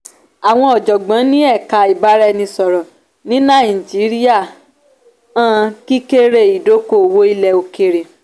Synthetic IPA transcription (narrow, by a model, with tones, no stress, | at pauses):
a˨w̃ɔ̃˧ɔ˨d͡ʒɔ˨ɡ͡bã˨˦nĩ˦ɛ˦˨ka˧i˨ba˨˦ɾɛ˧nĩ˧sɔ˨ɾɔ˨ | nĩ˦nã˦˨i˨d͡ʒi˨˦ɾi˦a˦˨ | ã˦ki˦ke˦ɾe˦˨i˨do˨˦ko˦˨wo˦i˦˧lɛ˧o˧ke˧ɾe˨